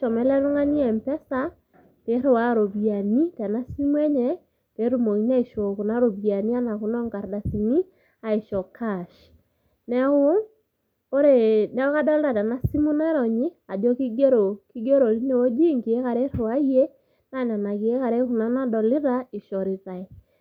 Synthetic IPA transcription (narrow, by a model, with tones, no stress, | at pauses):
ʃɔ˨mɛ˨˦lɛ˦ɾo˦ŋa˦ni˦ɛ˨mpɛ˦sa˦ | te˨˦ɾe˨wa˦ɾo˨βi˨a˨ni˦tɛ˨na˦si˦mwɛ˦ɲɛ˦ | te˨˦ɾu˦˨mo˨i˦na˦i˨ʃo˨ku˨na˦ɾo˨βja˨ni˦a˦na˨ku˨˦nɔ˦ŋɡa˨ɾda˨si˨ni˦ | a˨e˨ʃɔ˨kʰa˦˨ʃ | nɛ˦u˦ | o˦ɾe˦˨nɛ˨˦o˦ka˦dɔ˦le˦ɾa˨tɛ˨na˦si˦mu˦nɛ˦ɾɔ˨ɲi˦ | a˨dɔ˦ki˦ɡe˦ɾo˨ki˦ɡe˦ɾo˨li˦ne˨wo˦d͡ʒi˦ŋɡe˨e˦ka˨ɾe˦ɾo˨wa˦i˦e˦ | na˦˨na˨na˨ke˨e˦ka˨ɾe˦ku˨na˦na˦dɔ˨le˦ɾa˦e˨ʃɔ˨ɾi˨ða˨e˨